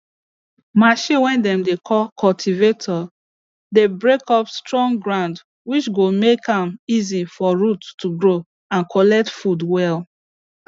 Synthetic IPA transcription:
maʃĩwɛ̃ndɛ̃mdekʰɔlkʰɔltʰivetʰɔ | debɹekɔpstɹɔ̃ŋɡɹãʊ̃nd | wit͡ʃɡomekãmizifɔɹuttːuɡɹo | ãnkʰɔlɛk̚tfudwɛl

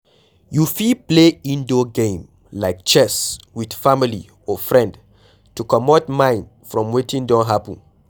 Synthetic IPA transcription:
jufipleĩndoɡẽm | laɪk̚t͡ʃɛswid̥familḭ | ɔfɹɛ̃nd | tukɔmɔtmãɪ̃n | fɹɔ̃mwetĩndɔ̃nɦapə̃n

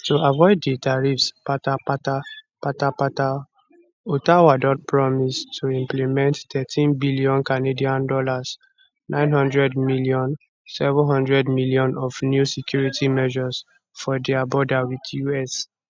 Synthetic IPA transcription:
tuavɔɪdːetaɹifspatapata | patapata | otawadɔt̚pɹɔmistʰuĩmplimɛ̃nttɛtʰĩnbiliɔ̃nkanediãndɔlas | nʔãɪ̃nɦɔ̃ndɹɛdmiliɔ̃n | sɛvɔ̃ɦɔ̃ndɹɛdmiliɔ̃nɔfnjusikjuɹitʰimɛʒɔs | fɔdɛabɔdawidjuɛs

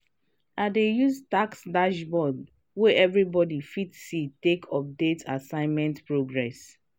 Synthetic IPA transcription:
adejuztaksdaʃbɔd | wɛʔɛvɹibɔdifitsitekʰɔp̚detʰasãɪ̃nmɛ̃ntpɹoɡɹɛs

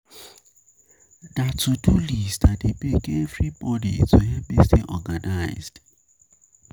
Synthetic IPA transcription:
datudulisdadebeɡevɹibɔdḭtʰuɦɛbisteʔɔɡanaɪzd̥

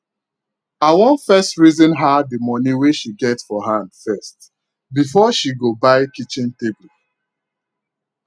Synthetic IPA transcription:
awɔ̃nfɛstɹizɔ̃nɦadəmɔniweʃiɡɛtsfɔɦãndfɛst | bifɔʃiɡobaɪkit͡ʃĩnteblu

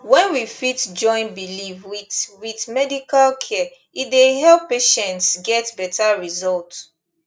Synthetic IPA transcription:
wɛ̃nwifitd͡ʒɔ̃ɪ̃nbilifwiwitmɛdikalkʰɛ | itdeɦɛlpːeʃɛ̃ntsɡɛtbɛtʰaɹizɔlt

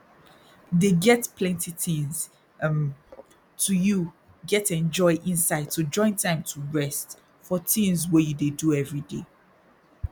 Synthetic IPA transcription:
deɡɛtpʰlɛ̃ntiθĩnz̥ | tʰuju | ɡɛtɛ̃nd͡ʒɔɪʔĩnsaɪd̚tʰud͡ʒɔ̃ɪ̃ntʰãɪ̃mtʰuɹɛst | fɔtĩnzwɛjudeduɛvɹidḛ

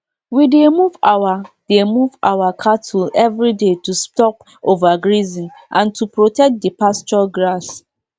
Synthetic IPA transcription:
widemuvawad̥emuvawakʰatʰulɛvɹidetustɔp | ovaɡɹizĩnʔãntupɹotɛk̚t̚dipast͡ʃɔɡɹas

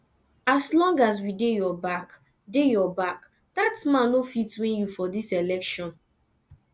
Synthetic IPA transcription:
aslɔ̃ŋɡas̬widejɔbak | dejɔbak | datmãnofitwẽnjufɔdiselɛkʃɔ̃n

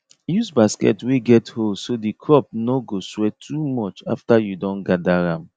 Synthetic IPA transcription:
jusbaskɛ̰twiɡɛtholsodikʰɹɔp̚noɡoswɛtʰumɔt͡ʃa̰ftajudɔ̃nɡadaɹãm

